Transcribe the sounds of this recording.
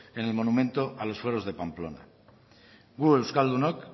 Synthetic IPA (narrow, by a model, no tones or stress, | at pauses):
ene̞lmo̞numẽ̞nt̪oʔalo̞sfweɾozðe̞pamplo̞̰na̰ | ɡuelskald̪unok